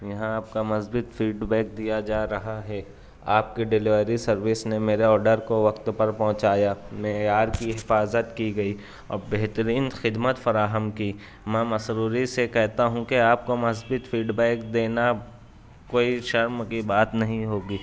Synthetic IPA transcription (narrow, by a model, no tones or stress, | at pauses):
jɐɦãaːp̚kamɐsbɪt̪fiːɖbɛːk̚d̪ijad͡ʒaːɾɐɦaɦɛ | aːp̚keɖɪlɪʋɾisɐɾʋɪsnemeːɾeɔːɾɖəɾkoʋɐkt̪pɐɾpɔ̃ɦt͡ʃaːjameːaːɾkiɦɪfaːzət̪kiɡɐiː | ɔ̰ːɾbeɦt̪əɾiːnxɪd̪mət̪fɐɾaːɦəmki | mɛ̃mɐsɾuːɾisekɛɦt̪aɦũkeaːp̚komɐs̬bɪt̪fiːɖbɛːkd̪eːna | koːiʃɐɾmkibaːt̪nɐɦĩɦoːɡiː